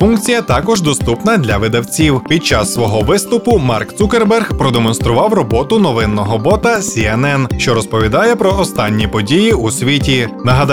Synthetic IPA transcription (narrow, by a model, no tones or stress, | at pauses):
funkt͡sʲijɐt̪ɑkɔʒd̪ɔst̪upnɐd̪ʲlʲɐʋɪd̪ɐwt͡sʲiwpʲid̪̚t͡ʃɑsːʋɔɦɔʋɪst̪ʊpʊmɑrkt̪sukerbɛrxpɾɔd̪emɔn̪st̪ɾʊʋɑwrɔbɔt̪ʊnɔʋɪnːɔɦɔbɔt̪ɐsʲiɛnɛnʃt͡ʃɔɾɔspɔʋʲid̪ɑjɛpɾɔɔst̪ɑnʲːipɔdʲijiusʲʋʲitʲinɐɦɐd̪